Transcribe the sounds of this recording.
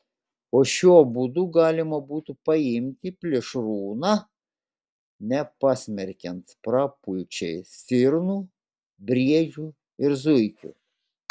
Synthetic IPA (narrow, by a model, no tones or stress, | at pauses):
oːʃʲuɔbud̪uːɡɑːlʲɪmɐbuːt̪upɐɪmʲt̪ʲɪpʲlʲɪʃɾuːnɑ | nʲɛpɑːsʲmʲɛɾʲkʲɛnt̪pɾɑːpʊɪt͡ʃʲɛɪsʲɪɾnuː | bʲɾʲiɛd͡ʒʲuː | ɪɾzʊɪkʲṵː